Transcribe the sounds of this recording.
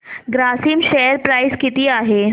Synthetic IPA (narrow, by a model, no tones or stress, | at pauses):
ɡɾasiːmʃejəɾpɾajskit̪iːaɦe